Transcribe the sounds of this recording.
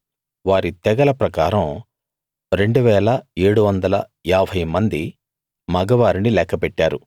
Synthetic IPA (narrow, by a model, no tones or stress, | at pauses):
ʋaːɾit̪ɛɡɐlɐpɾɐkaːɾɐm | ɾe̞ɳɖuʋɛːlɐeːɽuʋɐnd̪ɐlɐ | aːbʱɐjmɐnd̪i | mɐɡɐʋaːɾinilɛːkɐpɛʈːaːɾu